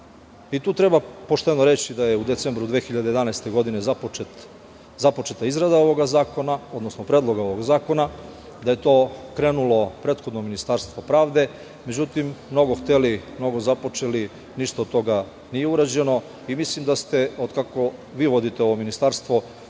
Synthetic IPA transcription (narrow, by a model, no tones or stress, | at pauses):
it̪uːt̪ɾe̞bapo̞ʃt̪e̞noɾe̞t͡ɕid̪aje̞ud̪et̪seːmbɾud̪ʋexiʎad̪eje̞d̪anajst̪e̞ɡo̞d̪ine̞zapoet̪ | zapo̞t͡ʃe̞t̪aizɾad̪ao̞ʋoɡazaːkonao̞d̪no̞snopɾed̪lˠo̞ɡao̞ʋo̞ɡzaːko̞na | d̪ajet̪o̞ːkɾe̞ːnulˠo̞pɾe̞t̪xo̞d̪nominist̪aɾst̪ʋo̞pɾaːʋd̪e̞ | me̞d͡ʑut̪imːno̞ɡo̞xt̪elimno̞ɡo̞zapo̞t͡ʃeli | niʃt̪ad̪t̪o̞ɡa | nije̞uɾad͡ʑe̞no̞ | imislimd̪ast̪e̞od̪kako̞ʋiːʋo̞d̪it̪eo̞ʋominist̪aɾst̪ʋo̞